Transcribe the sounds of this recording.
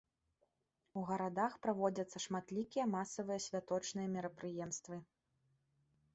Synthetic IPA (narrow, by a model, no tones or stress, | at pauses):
uɣɐɾad̪axpɾavɔd͡zʲɐt̪sːɐʂmat̪lʲikʲijɐmasɐvɨjɐsʲvʲat̪ɔt͡ʂnɨjɐmʲɛɾɐpɾɨjɛmst̪vɨ